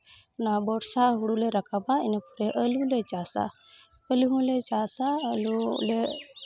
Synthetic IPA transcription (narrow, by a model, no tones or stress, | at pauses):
nabɔɽsaɦuɽulɛɾakabaɛnɛpuɾɛʔəlulɛt͡ʃasa̰ | əliɦũlɛt͡ʃasaəlulɛ